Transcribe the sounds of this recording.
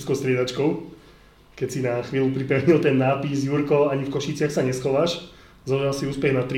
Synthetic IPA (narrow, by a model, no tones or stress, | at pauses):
skɔʊst̪ɾɪɛd̪at͡ʃkɔʊ | kɛcsinaxʋiːlupɾipɛʊɲilt̪ɛnːaːpizjuɾkɔaɲifkɔʃit͡sɪaxsaɲɛsxɔʋaːʃ | zɔʒalsiuːspɛɣnat̪ɾi